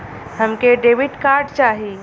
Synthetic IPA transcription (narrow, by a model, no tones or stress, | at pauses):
həmkeɖeːʋɪʈkaːɾɖt͡ʃaːɦi